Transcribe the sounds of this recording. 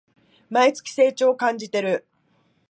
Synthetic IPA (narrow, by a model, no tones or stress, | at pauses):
mait͡sɨ̥kʲi̥se̞ːt͡ɕoːkãɲ̟d͡ʑit̪e̞ɾɯ̟